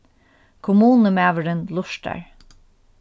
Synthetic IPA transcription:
kʰʊmuːnəmæːʋəɾɪnlʊʃʈa̰ɹ

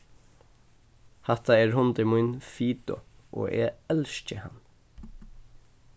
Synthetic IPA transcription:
haht̪aɛːɹhʊnt̪ɪmujnfiːt̪ɔ̰ | ʔɔ̰ːʔɛːɛlʃcəha̰n

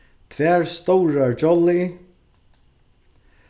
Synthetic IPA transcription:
t̪ʰvɛːɹst̪owɾaɹd͡ʒɔli

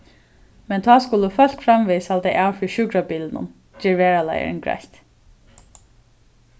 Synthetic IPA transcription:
mɛnt̪ʰɑːskʊləfœl̥kfɾamʋiːsald̪ɛɪʔaːfiʃʉɡɾabiːlnʊ̰n | d͡ʒiːɹʋɛːɹala̰jə̰ɾ̰nɡɹa̰jht̪

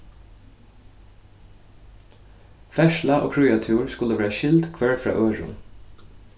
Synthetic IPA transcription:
fɛʃlaʔo̰ːkʰɹuːjat̪ʰuːɹskʊləʋæːɹaʃɪld̪kʰʋɛɹfɾɑ̰ːʔœːɹʊ̰n

